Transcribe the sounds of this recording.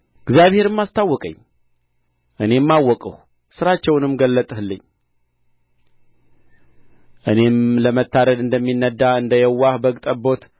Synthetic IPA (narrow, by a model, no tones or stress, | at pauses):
ɡzjaβhe̞ɾɨmːast̪ʰawːɔkʼə̰ɲː | ʔɨne̞mːawːɔkʼəh | sɨɾat͡ʃːɛwnɨmɡəlːət̪ʼəhɨlːɨɲː | ʔɨne̞mləmət̪ːaɾəd̪ɨnd̪əmːinːəd̪ːaɨnd̪əjɛwːahbəɡt̪ʼəbo̞t̪